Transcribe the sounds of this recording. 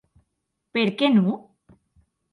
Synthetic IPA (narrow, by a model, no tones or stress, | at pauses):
peɾkenũ